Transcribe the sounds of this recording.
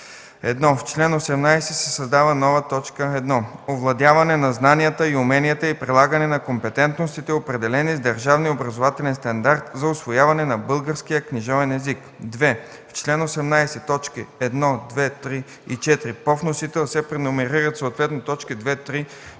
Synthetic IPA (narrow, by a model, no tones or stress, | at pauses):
ɛd̪nɔft͡ʃlɛnosɛmnajsɛsɛsɐzd̪avənɔvət̪ɔt͡ʃkəɛd̪nɔovlˠɐd̪ʲjavɐnɛnɐznaniət̪əiʊmɛniət̪əipɾilˠaɡənɛnɐkompɛt̪ɛnt̪nost̪it̪ɛopɾɛd̪ɛlɛnizd̪ɐɾʒavniobɾɐzovat̪ɛlɛnst̪ɐnd̪aɾt̪zɐʊsvojavɐnɛnɐbɤlˠɡəɾskijəkniʒɔvɛnɛzik | d̪vɛ | ft͡ʃlɛnosɛmnajsɛt̪ɔt͡ʃkiɛd̪nɔd̪vɛt̪ɾi | it͡ʃɛt̪iɾipɔfnosit̪ɛlˠsɛpɾɛnomɛɾiɾət̪soːt̪vɛt̪not̪ɔt͡ʃkid̪vɛt̪ɾi